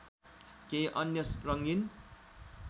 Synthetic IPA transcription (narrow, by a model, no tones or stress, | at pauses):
keʔʌnjʌsrʌŋɡin